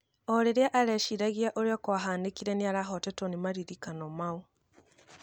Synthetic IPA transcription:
ɔɾeɾeaʔaɾɛʃiɾaɣiaʔoɾeɔkwaɦaːndekiɾɛneaɾaɦɔtɛtonimaɾiɾikanɔmau

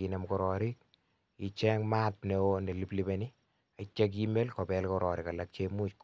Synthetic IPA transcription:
inɛmkɔɾɔɾik | it͡ʃɛŋmat̚newoneliplibeni | at͡ʃːek̬imelkɔpɛlkɔɾɔɾɪkalak̚t͡ʃemut͡ʃk

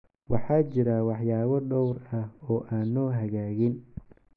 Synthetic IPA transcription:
wɑħɑːt͡ʃɪɾawɑħjaːβɐɖɔwrɐhɔːʔaːnːɔːɦɐɣaːɣɪn

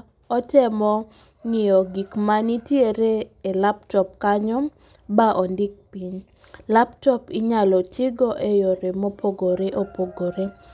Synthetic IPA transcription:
ɔtɛmɔ | ŋɪjɔɡikmanitjeɾeːlaptɔp̚kaɲɔ | baʔɔndɪk̚piɲ | laptɔpɪɲalɔt͡ʃɪɡɔʔejɔɾemopʰoɡoɾeʔopoɡoɾe

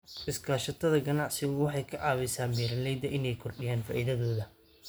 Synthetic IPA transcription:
ʔɪskʰaːʃɐt̪ʰɐðɐɡɐnɑʕsɪɣwɑħɑjkʰɐʕɑːβɪsaːmiːɾɐlɛjd̪ɐʔɪnɛjkʰɔrɖɪjaːnfa̰ːʔiðɐðɔːðɐ

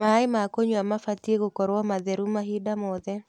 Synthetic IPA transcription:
maɪmakoɲoamafatjeɡokɔɾwɔmaðeɾumaɦidamɔðɛ

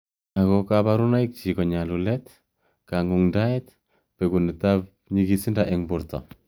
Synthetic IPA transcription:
akɔkabaɾunaik̚t͡ʃikɔɲalulɛt | kaŋuŋdaɛt̚ | pɛkunitap | ɲiɡisindaʔeŋbʊɾtɔ̰

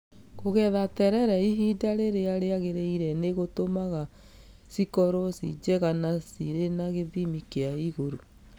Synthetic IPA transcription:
ɣoɣɛðatɛɾɛɾɛiɦidaɾeɾeaɾeaɣeɾeiɾɛneɣotomaɣa | sikɔɾosḭd͡ʒɛɣanasiɾenaɣeβimikeaiɣoɾo

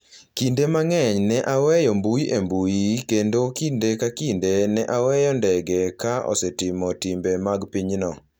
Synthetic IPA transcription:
kindemaŋɛɲnɛʔawɛjɔmbuiʔembujikendokindekakindenɛʔawɛjɔndɛɡɛkaʔɔ̰sɛtɪmɔtimbemaɡpiɲnɔ

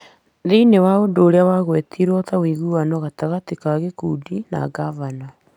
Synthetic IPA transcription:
ðiinewaodoːɾeawaɣwetʰiɾwɔtawiɣuanɔɣataɣatikaɣekudina̰ɡavana

